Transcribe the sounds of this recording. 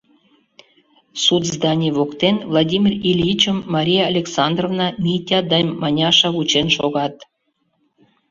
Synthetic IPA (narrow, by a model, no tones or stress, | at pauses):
sut̪zd̪ɑnʲiβokt̪envlˠɑdʲimʲirilʲit͡ɕəmːɑɾʲijɑːlʲeksɑnd̪rovnɑmʲitʲɑd̪ɑnʲmɑnʲɑʃɑvut͡ɕenʃoɣɑt̪